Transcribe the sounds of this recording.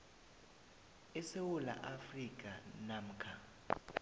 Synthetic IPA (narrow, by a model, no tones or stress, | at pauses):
ɛsewula̰ʔafrik̬ʼa̰nam̩kʰa